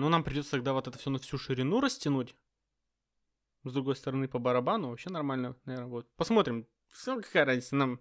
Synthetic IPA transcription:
nonampɾʲɪdʲot̪sət̪ɐɡ̚d̪avo̞t̪ɛt̪ə̥fsʲonɐfsʲuʂɨɾʲɪnuɾəsʲtʲɪnutʲ | zd̪ɾʊɡo̞jst̪əɾɐnɨpəbəɾɐbanʊvɐpɕːe̞nɐrmalʲnənɐvʲeɾnəvot̪̚pɐsmo̞t̪ɾʲɪm | skɐ̥kajəɾazʲnʲɪt̪sənam

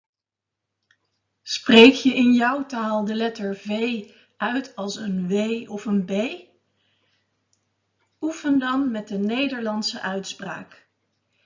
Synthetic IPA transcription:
sprejkjəʔɪnjʌwtaːlˠdəlɛtəɹvej | ʔœɥtɑlˠsənʋejɔfənbej | ufəndɑnmɛt̚dənejdəɹlɑnsəʔœɥtspra̰ːk

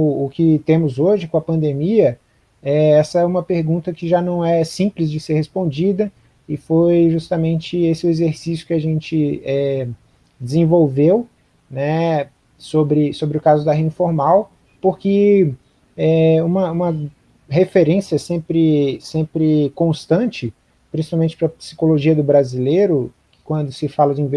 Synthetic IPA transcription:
ʊkɪt̪ẽmʊzoʒɪkõɐpɐ̃nd̪emiɐ | ɛɛsɐɛũmɐpeɾɡũt̪ɐkɪʒanɐ̃w̃ɛsĩplɪzd͡ʒɪseɾhespõd͡ʒid̪ɐ | ɪfojʒust̪ɐmẽnt͡ʃɪesɪʊezeɾsisjʊ̥kɪaʒẽnt͡ʃɪɛ | d͡ʒɪzẽvowvew | nɛ | sobɾɪsobɾɪʊkazʊd̪ɐɦẽĩfoɾmaw | poɾkɪ | ɛũmɐũmɐ | ɦefeɾẽsiɐsẽpɾɪsẽmpɾɪkõst̪ɐ̃t͡ʃɪ | pɾĩsi̥pawmẽnt͡ʃɪpɾɐpsi̥koloʒiɐd̪ʊbɾazilejɾʊ | kɪ̥kwɐ̃nd̪ʊsɪfalɐd͡ʒɪĩv

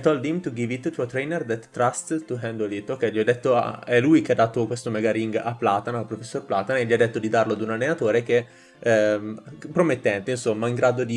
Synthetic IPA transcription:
t̪ɔld̪imt̪uɡivit̪t̪uat̪ɾɛjnerd̪ɛt̪ːɾast̪t̪uɦɛnd̪olit̪okɛjʎiad̪ːet̪ːo̰ɛlujk̟ead̪ːaːt̪okwest̪omɛɡaɾiŋɡa̰plaːt̪analpɾofesːorplaːt̪aneʎːiad̪ːet̪ːod̪id̪arload̪unalːenat̪oːɾek̟e | pːɾomet̪ːɛnt̪einsomːaiŋɡɾaːd̪od̪i

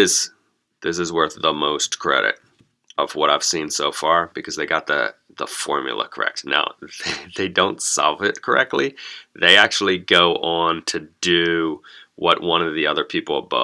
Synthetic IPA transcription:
ɪz̥ | ðɪs̬ɨzwɜ˞θðəmoʊskʰɹ̥ɛ̰ɾɨ̰ɾ | ʌvwʌɾaɪv̥sĩnsoʊfɑɹb̥ɨkʰʌzðeɪɡɑt̪̚ðɨ̰ | ðəfɔɹmjɨ̰l̩ˠə̰kʰə̥˞ɛ̰k̚t̚na̰ʊððeɪdõʊ̃ntsɑ̰lˠvɪt̚kʰə˞ɛk̚tˡliðeɪæk̚t͡ʃul̩ˠiɡoʊʔə̃ntʰɨdɨ | wʌʔ̚wʌ̃ñʌvðiʌðə˞pʰipl̩ˠəbʌ̰

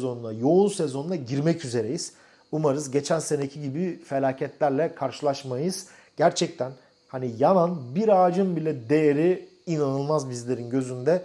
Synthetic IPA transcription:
zonud̪ajo̞unsezo̞nd̪aɟiɾmɛcʰyze̞ɾejiz̥ | umaɾɯzɟe̞t͡ʃʰænse̞necʰiɟibife̞lʲaːcʰɛt̪lʲæɾlʲɛkʰaɾʃɯlˠaʃmajɯz̥ | ɟ̥æɾt͡ʃʰɛc̚t̪ʰæn | hanijananbiɾaːd͡ʒɯmbilʲɛd̪e̞jeɾi | inanɯlˠmazbizlʲe̞ɾinɟø̞zynd̪ɛ

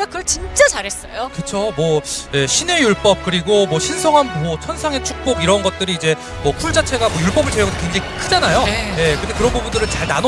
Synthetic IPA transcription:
kakɯt͡ɕint͡ɕ͈at͡ɕaɾɦe̞s͈ʌjoket͡ɕʰomwʌje̞ɕʰine̞juɭp͈ʌp̚k͈ɯɾiɡomwʌɕʰinsʰʌŋɦanbot͡ɕʰʌnsʰaŋe̞t͡ɕʰuk̚p͈oɡiɾʌnɡʌt̚t͈ɯɾiːd͡ʑe̞ | mwʌpʰuɭd͡ʑat͡ɕʰe̞ɡamwʌjuɭp͈ʌbɯɭt͡ɕeʌɡʌdʰokwe̞ŋd͡ʑaŋiikʰɯd͡ʑanajoeje̞kɯɾɯnd̪ekɯɾʌnbubundɯɾɯɭt͡ɕaɭnan

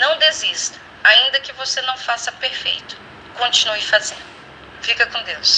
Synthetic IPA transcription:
nɐ̃w̃d̪ezist̪ɐ̥ | aĩnd̪ɐkɪvosenɐ̃w̃fasɐpeɾfḛjt̪ʊ̥ | kõt͡ʃĩnuɪfazẽnd̪ʊʊ | fikɐkõd̪ews

